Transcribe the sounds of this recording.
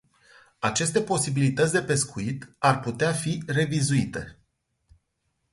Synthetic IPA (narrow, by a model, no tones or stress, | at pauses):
at͡ʃe̞st̪e̞po̞sibilit̪ət̪sʲd̪epe̞skuit̪arput̪eafire̞vizuit̪e̞̰